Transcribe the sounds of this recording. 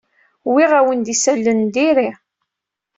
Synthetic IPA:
wiʁæwənd̪isælːənd̪iɾi

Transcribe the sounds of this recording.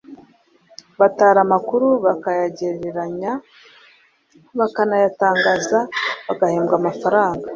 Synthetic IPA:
βataːɾamakuɾuβakajaɟeɾeɾaɲa | βakanajataːŋɡaːzaβaɡaheːmɡamafaɾaːŋɡa

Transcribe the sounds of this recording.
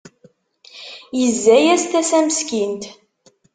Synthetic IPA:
jəzːæjæst̪æsæməskint̪

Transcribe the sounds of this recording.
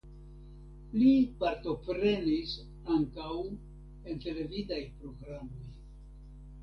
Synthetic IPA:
lipaɾto̞pɾe̞nis | aŋkaw | e̞nte̞le̞vidajpɾo̞ɡɾamo̞j

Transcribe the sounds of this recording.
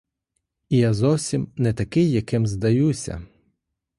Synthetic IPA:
ijazɔwsʲimnɛt̪ɐkɪjːɐkɪmzd̪ɐjusʲɐ̰

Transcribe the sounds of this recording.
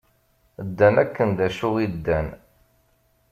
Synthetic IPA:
d̪ːænækːənd̪æʃʊʁid̪ːæn

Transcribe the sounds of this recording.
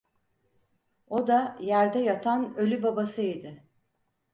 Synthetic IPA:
o̞d̪ajæɾd̪ɛjat̪ʰanø̞lʲybabasɯid̪ɪ

